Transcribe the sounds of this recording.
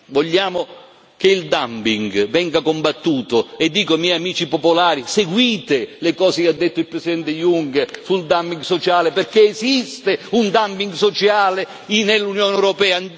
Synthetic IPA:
voʎːaːmo | k̟eild̪ampiŋɡvɛŋɡakombat̪ːuːt̪oɛd̪ːiːkamjɛjamiːt͡ʃipopolaːɾiseɡwiːt̪elekɔːzekead̪ːet̪ːoilpɾesid̪ɛnt̪ejuŋkeɾsuld̪ampiŋɡsot͡ʃaːleperkeːzist̪eund̪ampiŋɡsot͡ʃaːle | inelːunjoːnɛwɾopɛːa

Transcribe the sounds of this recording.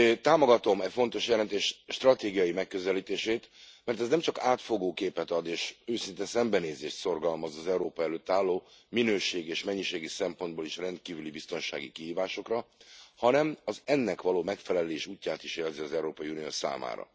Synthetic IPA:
t̪aːmo̞ɡɒt̪o̞mɛcfo̞nt̪o̞ʃjɛlɛnt̪eːʃʃt̪rɒt̪eːɡijɒjimɛkːø̞zɛliːt̪eːʃeːt̪mɛrt̪ɛznɛmt͡ʃɒkaːt̪fo̞ɡoːkeːpɛt̪ɒd̪eːʃøːsint̪ɛsɛmbɛneːzeːʃt̪so̞rɡɒlmɒzɒzɛuɾoːpɒɛløːt̪ːaːlːoːminøːʃeːɡieːʃmɛɲːiʃeːɡisɛmpo̞nd̪boliʃrɛnt̪̚kiːvylibist̪o̞nʃa̰ːɡikihiːvaːʃo̞krɒhɒnɛmɒzɛnːɛkʋɒloːmɛkfɛlɛleːʃuːcːaːt̪iʃeːlziɒzɛuɾoːpɒiunijo̰ːsa̰ːma̰ːɾɒ̰

